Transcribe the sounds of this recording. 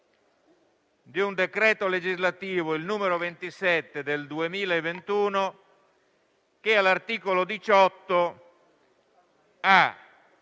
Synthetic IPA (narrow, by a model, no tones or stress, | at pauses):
d̪iund̪ekɾɛːt̪oled͡ʒizlat̪iːvoilnuːmeɾovent̪isɛt̪ːed̪eld̪uemiːlaevent̪uːno | k̟ealart̪iːkolod̪it͡ʃɔt̪ːo | a